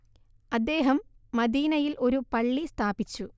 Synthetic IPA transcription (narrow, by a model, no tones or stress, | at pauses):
ɐd̪ːe̞ːɦɐmːɐd̪iːnɐjilʔo̞ɾupɐɭːist̪ʰaːbit͡ɕːu